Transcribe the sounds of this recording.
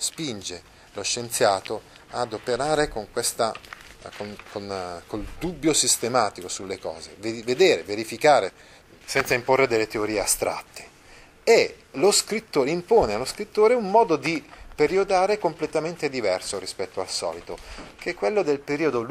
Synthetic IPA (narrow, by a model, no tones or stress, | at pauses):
spind͡ʒe | loʃːent̪sjaːt̪o | ad̪opeɾaːɾekoŋkwest̪akonkonkold̪ubːjosist̪emaːt̪ikosulːekɔ̰ːzḛveved̪eːɾeveɾifikaːɾe | sɛnt̪saimporːed̪elːet̪eoɾiːeast̪ɾa̰t̪ːe̥ | eloskɾit̪ːoːɾeimpoːnealːoskɾit̪ːoːɾeumːɔːd̪od̪ipeɾiod̪aːɾekomplet̪ament̪ed̪ivɛrsoɾispɛt̪ːoalsɔ̰ːlit̪ok̟ekːwelːod̪elpeɾiːod̪ol